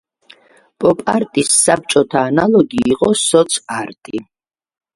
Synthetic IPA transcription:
pʼɔpʼa̰ɾt̪ʼisːap̚t͡ʃʼɔt̪ʰaːnalɔɡiːqʼɔsɔt̪sʰaɾt̪ʼi

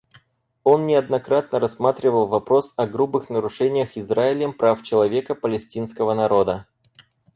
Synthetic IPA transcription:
o̞nːnʲɪɐd̪nɐkɾat̪̚nəɾɐsːmat̪ɾʲɪvəlˠvɐpɾo̞sɐɡɾubɨxnəɾʊʂɛnʲɪjəxɪzraɪlʲəmpɾaft͡ɕɪlˠɐvʲe̞kəpəlʲɪsʲtʲinskəvənɐɾo̞d̪ə

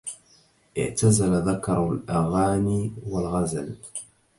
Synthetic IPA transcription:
ʔɪ̰ʕt̪azalaðakɑɾˤlʔaɣaːniːwalɣazl

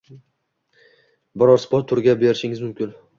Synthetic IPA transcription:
bɒɾɒɾspɒt̪ʰːʊɾɡʲabe̞ɾɪʃɪŋɪzmʊmkʲɪn

